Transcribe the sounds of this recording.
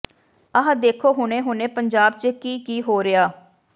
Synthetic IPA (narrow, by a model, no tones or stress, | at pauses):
əɦãd̪eːkʰoːɦʊneːɦʊnẽːpəɲd͡ʒaːb̚t͡ʃəkiːkiːɦoːɾɪaː